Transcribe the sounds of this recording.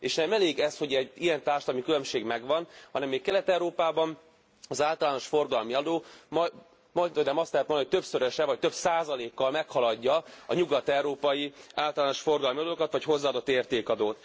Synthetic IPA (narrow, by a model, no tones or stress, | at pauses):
eːʃnɛmɛleːɡɛsho̞ɟɛɟijɛnt̪aːrʃt̪lɒmikylø̞mʃeːɡmɛɡʋɒnhɒnɛmːeːkkɛlɛt̪ɛwɾoːpaːbɒn | ɒzaːlt̪ɒlaːno̞ʃfo̞rɡɒlmiɒd̪oːm | moonaːmɒst̪lɛɦɛt̪mnioc̚ʲt̪ø̞psøɾøʃɛvɒc̚t̪ø̞bsaːzɒleːkːɒlmɛkhɒlɒɟːɒɒɲuɡɒt̪ɛwɾoːpɒjiaːlt̪ɒlaːno̞ʃfo̞rɡɒlmiɒd̪oːkɒt̪ʋɒcho̞zːaːd̪o̞t̪ːeːrt̪eːkɒd̪oːt̪